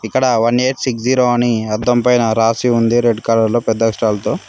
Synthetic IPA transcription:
ikːɐɽɐʋɐneːʈsiksd͡ʒiːɾoːɐniɐd̪ːɐmpɐjnɐɾaːsiund̪iɾeɖkaːlɐɾloːpɛd̪ːɐkʂʈaːlɐt̪o̞ː

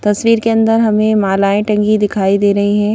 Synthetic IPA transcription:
t̪ɐswiːɾkeɐ̃nd̪əɾɦɐmẽmaːlaːẽʈɐ̃ŋɡid̪ɪkʰaːid̪eːɾɐɦiɦɛ̃ː

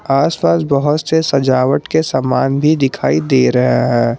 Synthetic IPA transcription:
aːspaːsbɔɦʊt̪sesɐd͡ʒaːʋəʈkesəmaːnbʱid̪ɪkʰaːid̪eːɾɐɦaɦɛ̃ː

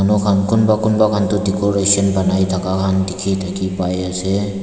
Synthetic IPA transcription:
anukʰankʊnbakʊnbakʰant̪ʊdikɔɾesɔnbanajt̪ʰakakʰandikʰit̪ʰakipajase

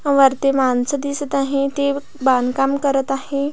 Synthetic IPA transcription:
ʋəɾt̪emansəd̪isət̪aɦet̪e | bankamkəɾət̪ahe

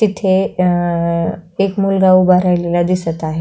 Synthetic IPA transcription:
it̪ʰe | ekmulɡaubaɾajlelad̪isət̪aɦe

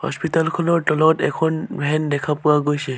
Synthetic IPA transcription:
hɔ̰spitalkʰɔlɔɹʈɔlɔtɛkʰɔnbɛnd̪ɛkʰapuwaɡojsɛ

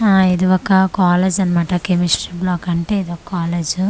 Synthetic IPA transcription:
aːid̪iɔkɐkaːleːd͡ʒɐnɐmaːʈɐkemisɾibloɔkɐɳʈeːid̪iʋɔkɐkaːleːd͡ʒu

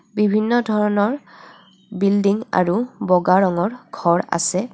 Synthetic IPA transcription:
bibʱinːɔdʱɔɹɔnɔɹ | bildiŋa̰ɹubɔɡaɹɔŋɔɹɡʱɔɹa̰sɛ

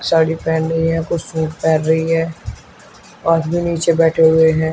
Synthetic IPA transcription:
saːɽipɛːnɾɐɦiɦɛ̃kʊsũːkpɛːnɾɐɦiɦɛ̃ː | ɔːt̪bʱiniːt͡ʃebɛːʈʰeɦʊeɦɛ̃ː

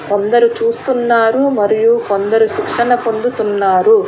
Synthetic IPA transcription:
ko̞nd̪ɐɾut͡ʃuːst̪unːaːɾumɐɾijukond̪ɐɾuʃikʂɐnɐpo̞nd̪ut̪unːaːɾu

